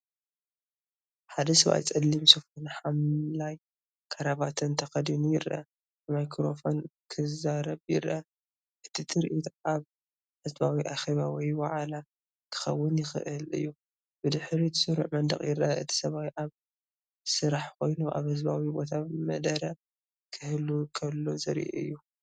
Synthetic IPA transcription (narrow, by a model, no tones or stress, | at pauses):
ħad̪ɐsɐβa̰jt͡sʼɐlːimsɨfunħamlaj | kʰɐɾaβat̪ʰɨnt̪ʰɐxɐd̪inujɪɾɐʔɐ | majkʰɾofo̞nkʰɨzaɾɐβjɪ̰ɾɐ | ʔɨt̪ʰit̪ʰɨɾʔit̪aβ | hɨzbawiʔaxeβawɔjwa̰ʕala | kʰɨ̥xɐ̰wːɨnjɪxɨ̰ʔɨlɨ̰jːu | b̥ɨd̪ɨħɾit̪ʰɨ̥sɨɾṵʕmɐnd̪ɐ̰χʼjɪɾɐɐʔɨ̰t̪ʰi̥sɐβawiʔaβ | sɨɾaħko̞jnuʔa̰βhɨzbawibo̞t̪ʰamɐd̪ɐɾɐ | kʰɨhlukʰɐlːozɐɾḭʔɨ̰jːu